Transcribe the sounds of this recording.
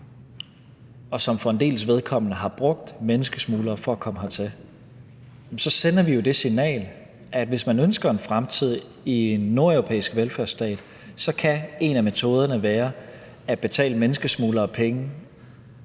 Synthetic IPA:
ɒ̽sɒ̽mfɒend̥e̝̰ːləsʋe̝ð̞ˠkʰɒ̽m̰nəɦɑ̈b̥ʁɔ̽ɡ̥̚d̥menəsɡ̥əsmuːlɐːfɒ̽ækʰɒ̽məhæt͡sʰe | msɒ̽senɐʋijo̝d̥e̝sinɛ̰ːl | ʔæd̥ʋe̝smænønsɡ̥ɐe̝nfʁamt͡sʰið̞̰ˠ | ie̝nːu̝ɐeʊʁo̝pʰḛːisɡ̥ʋelfæɐsd̥ɛ̰ːd̥ | sɒ̽kʰæe̝næme̝t͡sʰo̝ːð̞ˠɐnəʋæːɐ | æ̥b̥e̝t͡sʰɛ̰ːləmenəsɡ̥əsmuːlɐɒpʰeŋə

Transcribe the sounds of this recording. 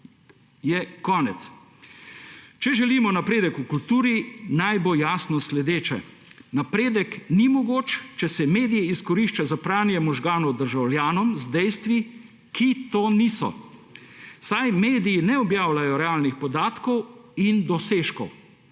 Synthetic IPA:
jɛkɔːnɛt̪s | t͡ʃɛʒɛliːmɔnapɾeːd̪ɛkukult̪uːɾinajbojaːsnɔslɛd̪eːt͡ʃɛ̰ | napɾeːd̪ɛknimɔɡoːt͡ʃt͡ʃɛsɛmeːd̪ijɛiskɔɾiʃt͡ʃazapɾaːnjɛmɔʒɡaːnɔwd̪əɾʒawljaːnɔmzd̪ɛjst̪ʋi | kʰit̪oːniːsɔ̰ | sajmeːd̪ijinɛɔbjaːwlajɔɾɛaːlnixpɔd̪aːt̪kɔwind̪ɔseːʃkɔ̰w

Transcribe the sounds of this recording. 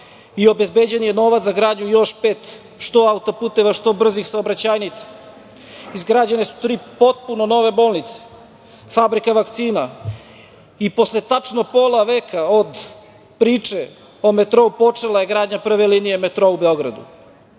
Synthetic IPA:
io̞bezbeːd͡ʑenjeno̞ːʋat̪aɡɾaːd̪ɲujo̞ʃpeːt̪ | ʃt̪o̞aut̪opuːt̪e̞ʋaʃt̪o̞br̩zixsaobɾat͡ɕaːjnit̪sḁ | izɡɾaːd͡ʑanesu̥t̪ɾiːpo̞t̪̚puno̞no̞ʋe̞bo̞ːlˠnit̪se̥ | fabɾikaʋakt̪siːna | ipo̞sle̞t̪at͡ʂnopo̞ːlˠaʋeːkʰaod̪ | pɾiːt͡ʂe̞ | o̞me̞t̪ɾo̞upo̞t͡ʂelaje̞ɡɾaːd̪ɲapr̩ʋe̞liːnije̞me̞t̪ɾoubeo̞ɡɾa̰d̪ṵ

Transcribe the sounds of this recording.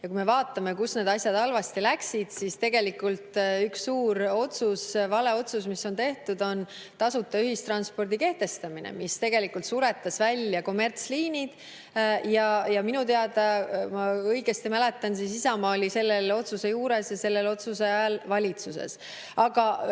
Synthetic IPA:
jɑkume̞vɑːt̪ːˑɑme̞kusned̪̥ɑsʲjɑd̪ɑlvɑst̪ilæksid̪̥sist̪e̞ɡ̥e̞likult̪yksːuːɾo̞t̪susvɑle̞o̞t̪susmisːo̞nt̪e̞ht̪ud̪o̞n | t̪ɑsut̪ˑːɑyɦist̪rɑnspo̞rd̪ike̞ht̪e̞st̪ɑminḛmist̪e̞ɡ̥e̞likult̪suɾe̞t̪ːˑɑsvælʲːjɑko̞me̞rt̪sliːnid̪̥ | jɑjɑminut̪e̞ɑd̪ɑmɑɤjɡest̪imæle̞t̪ːˑɑnsisisɑmɑːlise̞lːelo̞t̪suse̞juːɾe̞sjɑse̞lːe̞lo̞t̪suseɑjɑlvɑlʲit̪susḛs | ɑɡɑ

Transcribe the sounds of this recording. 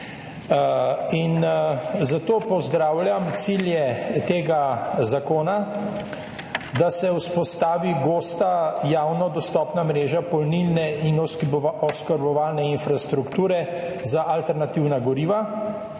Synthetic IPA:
inzat̪oːpɔzd̪ɾaːwljamt̪siljɛt̪eːɡazakoːna | d̪asɛwspɔst̪aːʋiɡoːst̪ajaːwnɔd̪ɔst̪ɔːpnamɾeːʒapɔlnilnɛinɔskaɾbɔʋaːlnɛinfɾast̪ɾukt̪uːɾɛ | zaʔalt̪ɛɾnat̪iwnaɡɔɾiːʋa

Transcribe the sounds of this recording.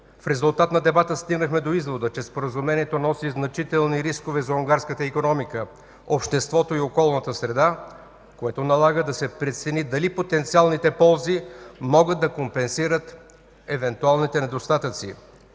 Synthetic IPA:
fɾɛzulˠt̪at̪nɐd̪ɛbat̪əst̪iɡnəxmɛd̪oizvod̪ət͡ʃɛspoɾəzumɛniɛt̪onɔsiznɐt͡ʃit̪ɛlˠniɾiskovɛzɐuŋɡaɾskət̪əikonɔmikə | opʃt̪ɛst̪vɔt̪oiokɔlˠnət̪əsɾɛd̪a | koɛt̪onɐlˠaɡəd̪ɐsɛpɾɛt̪sɛnid̪ɐlipot̪ɛnt̪sialˠnit̪ɛpɔlˠzimɔɡəd̪̚d̪ɐkompɛnsiɾət̪ | ɛvɛnt̪ualˠnit̪ɛnɛd̪ost̪at̪ət̪sḭ

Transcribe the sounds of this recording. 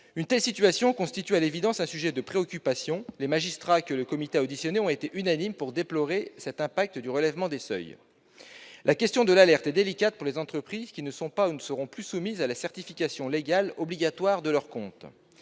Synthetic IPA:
ynt̪ɛlsit̪yasjɔ̃kɔ̃st̪it̪yalevid̪ɑ̃sɛ̃syʒɛd̪əpχeɔkʲypasjɔ̃lemaʒist̪χakələkɔmit̪eod̪isjɔneɔ̃t̪et̪eʔynanimpuʁd̪eplɔʁesɛt̪ɛ̃pak̚t̪əd̪yʁəlɛvmɑ̃d̪esœ̰j | lʔakʲɛst̪jɔ̃d̪əlalɛʁt̪ɛd̪elikʲat̪̚puʁlezɑ̃t̪χəpχizkʲinəsɔ̃paunəsəʁɔ̃plysumizalasɛʁt̪ifikʲasjɔ̃leɡʲalɔbliɡʲat̪waʁd̪əlœʁkɔ̃t̪

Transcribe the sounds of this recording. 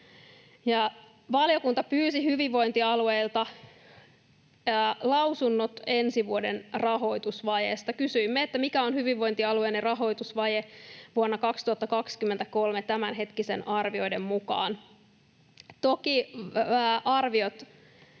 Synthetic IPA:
jɑ | ʋɑljo̞kunt̪ɑpyːsihyʋiʋʋo̞jnt̪iɑluejlt̪ɑ | lɑwsunːot̪e̞nsiʋuodenrɑɦo̞jt̪usʋɑjḛst̪ɑkysyimːeet̪ːæmikæonhyʋiʋʋo̞jnt̪iɑluenerɑɦo̞jt̪usʋɑjeʋuonːɑkɑkst̪uhɑt̪ːɑkɑkskymːent̪æko̞lmet̪æmænɦe̞t̪kise̞nɑrʋio̞jde̞mːukɑ̰ːn | t̪oki | ʔɑrʋiot̪

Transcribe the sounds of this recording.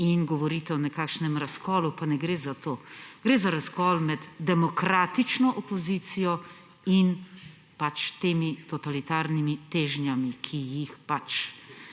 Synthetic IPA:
inɡɔʋɔɾiːt̪ɛɔnɛkaːkʃnɛmɾaskɔːlupanɛɡɾeːzat̪oːɡ̥ɾeːzaɾaskɔːlmɛd̪d̪ɛmɔkɾaːt̪it͡ʃnɔʔɔpɔziːt̪sijɔ | in | pat͡ʃt̪eːmit̪ɔt̪alit̪aːɾnimit̪eːʒnjamikʰijixpat͡ʃ

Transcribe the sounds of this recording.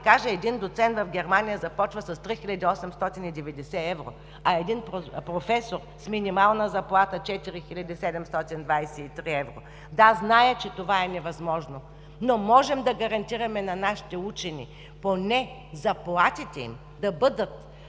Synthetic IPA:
kaʒɛɛd̪ind̪ot̪sɛnt̪vɐfɡʲɛɾmanʲijəzɐpɔt͡ʃvəsɐst̪ɾixilʲɐd̪iɔsɛmst̪ɔt̪inid̪ɛvɛd̪ɛsɛɛvɾo̰ | ɐɛd̪inpɾopɾofɛsoɾ | sminʲimalˠnəzɐplˠat̪ət͡ʃɛt̪iɾixilʲɐd̪ʲisɛd̪ɛmst̪ɔt̪ind̪vajsɛit̪ɾiɛvɾo̰ | d̪aznajət͡ʃɛt̪ovaɛnɛvɐzmɔʒno | nomɔʒɛmd̪ɐɡɐɾɐnt̪iɾɐmɛnɐnaʃi̥t̪ɛut͡ʃɛnʲḭ | ponɛ | zɐplˠat̪it̪ɛḭm | d̪ɐbɤd̪ət̪

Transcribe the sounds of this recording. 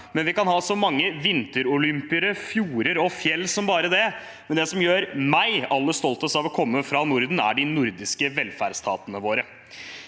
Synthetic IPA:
mɛnʋɪkɑnhɑːsɔmɑŋːəʋɪnt̪əɾʊlʏmpɪəɾəfjuːɾəɾɔfjɛlːsɔmbɑːɾəd̪ɛ | mɛnd̪ɛsɔmjøːɾmæɪɑlːəst̪ɔlt̪ɔsɑʋɔkʰɔmːəfɾɑnʊɾd̪n̩æ̰ɖɪnʊɾd̪ɪskəʋɛlfæɖst̪ʰɑ̰ːt̪ənəʋoːɾə

